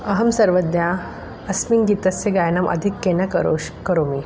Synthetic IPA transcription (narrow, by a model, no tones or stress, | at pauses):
ɐɦɐmsɐɾʋəd̪ja | ɐsmiŋɡiːt̪ɐseɡajnɐmʔɐ̰d̪ʱikːenɐkɾokəɾomi